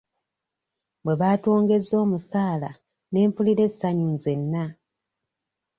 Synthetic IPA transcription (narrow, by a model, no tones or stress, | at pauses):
bwe̞βaːtoːŋɡe̞zːo̞ːmusaːla̰ | ne̞ːmpuliɾe̞sːaɲuːnze̞nːa